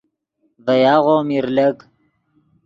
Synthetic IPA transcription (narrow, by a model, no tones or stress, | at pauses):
vɐjaːʁoːmiɾlɐk